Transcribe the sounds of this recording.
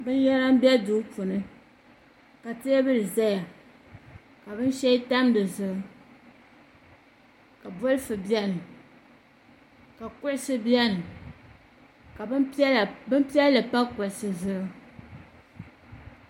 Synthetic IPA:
bɨ˦n˦jɛ˦ɾa˦m˦bɛ˦du˨˦pʊ˨nɨ˦ | ka˨tɨ˦ɛ˦bɨ˦lɨ˨za˦ja˨ | ka˨bɨ˦n˦ʃɛ˦i˦ta˦mdɨ˨zɨ˨ɾɨ˦ | ka˨bʊ˦lɨ˦fɨ˨bjɛ˦nɨ˨ | ka˨kʊ˦ʔɪ˨sɨ˦bi˦ɛ˦nɨ˨ | ka˨˦˨bɨ˦m˦pi˦ɛ˦llɨ˨pa˦kʊ˨ʔɪ˨sɨ˨zɨ˨ɾɨ˦

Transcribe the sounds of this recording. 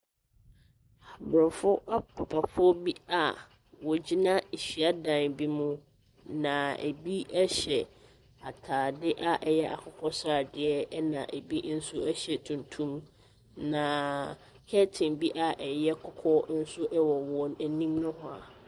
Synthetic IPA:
a˨bɾɪ̃˨mfʊ˦ʔa˦pʰʊ˨pʰa˨fʊ˦ɔ˦bi˦a˨ | wɔ˨d͡ʑi˦nã˦e˨ɕi˨a˦dã˨nbi˦mũ˦ | nã˨ḛ˨bi˦ɛ˦ɕɛ˨ | a˨tʰaː˨dɪ˦ʔa˦ʔɛ˨jɛ˦ʔa̰˨kʰʊ˦kʰɔ˦sɾa˨dɪ˨ɛ˦nã̰˨ʔæ˨bi˦n̩˦sʊ˦ɛ˦ɕɛ˨tʰũ˨ntʰũ˦m | nã˨ | kʰɛ˦tʰɪ̃˨nbi˦ʔa˨ʔɛ˨jɛ˦kʰɔ˦kʰɔ˦n̩˦sʊ˦ʔɛ˦wɔ˨wɔ̃˨næ˨nĩ˦mnʊ̃˦hʊ̃˦˨a̰˨

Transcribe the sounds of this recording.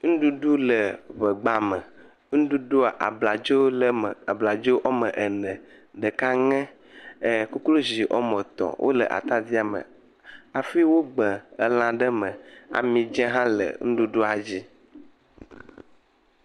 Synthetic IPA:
ŋ̩̃˦ɖu˦ɖu˦lə˨βə˨ɡ͡ba˨mə˨ | ŋ̩̃˦ɖu˦ɖo˦a˨ʔa˨bla˨d͡ʒo˦˨a˨bla˨d͡ʒo˦ʔɔ˦mə̃˨ʔə˨nɛ̃˨ | ɖə˨ka˦ŋɛ̃˦˨ | ku˦klo˦zi˨ʔɔ˦mə̃˨t̪ɔ̰̃˨wʔo̰˦lə̰˨ʔa̰˨t̪a˦d̪i˦a˨mə̰̃˨ | a˨fi˦wo˦ɡ͡bɛ̃˨ə˦lã˨ɖə˦mə̃˨a̰˨mĩ˨d͡ʒɛ̃˦ɦã˦lə̰˨ŋ̩˦ɖu˦ɖo˦a˨d͡ʑi˦

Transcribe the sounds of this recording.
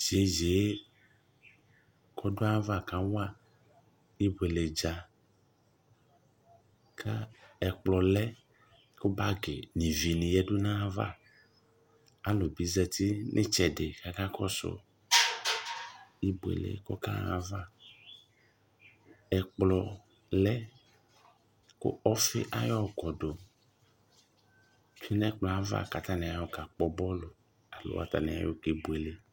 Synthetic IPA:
d͡ʒe˨˦d͡ʒe˨˦ | kɔ˦ɖo˦a˦va˦˨kã˨˦wa˨ | i˦bo˨e˨le˨d͡ʒa˨ | kʰa˦ɛ˨k͡plɔ˨lɛ˦ | ko˦ba˦ɡe˨nĩ˨vi˨nĩ˨jɛ˦ɖo˦nã˦va̰˦˨ | a˨˦lo˨bi˨˦zɛ˦t̪i˦nʔḛ̃˦t͡ʃɛ˨ɖe˨ka˨ka˦kɔ˦sɔ̰˨ | i˦bu˨ḛ˨lḛ˨˦kɔ˦ka̰˦a˨va˦ | ɛ˨k͡plɔ˨ | lɛ˦ | ko̰˦ɔ˦fɪ̰˦ʔa˦jɔ˦˨ɡɔ˨do˨ | ti˦nɛ̃˦k͡plɔ˨a˦va̰˦˨ka˨t̪a˦ne˨a˨jɔ˦ka˨k͡pɔ˦bɔ˦lo˨ | a˨lo̰˦a̰˨t̪a̰˨ne˨a̰˨˦jo˦ke˨bo˨e˨le˦

